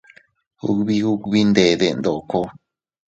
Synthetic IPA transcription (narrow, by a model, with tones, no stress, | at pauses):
hṵ˦˧kβi˦hu˦kβi˦nd̪e˧ðe˧nd̪o˨ko˧